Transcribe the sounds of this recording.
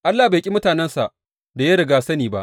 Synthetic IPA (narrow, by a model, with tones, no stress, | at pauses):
ʔa˦lːaː˨ba˨kʲʼi˦mʊ˦taː˨nɛ˦nsa˨ʔ | da˨ja˦ɾɪ˨ɡaː˦sɐ˦niː˨ba̰˦ʔ